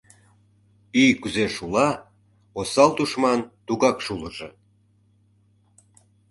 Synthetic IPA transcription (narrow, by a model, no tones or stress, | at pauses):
ijkyzeʃulɑ | osɑlt̪uʃmɑnt̪uɣɑkʃuləʒe